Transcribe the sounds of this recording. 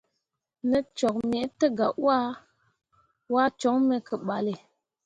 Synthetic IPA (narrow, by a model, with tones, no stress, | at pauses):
nə˦t͡ʃɔ˨k̚me˨˦tə˦ɡa˨ʔwa˦ | wa˦t͡ʃo˨˦ŋme˨kʰə˨ɓa˨le˨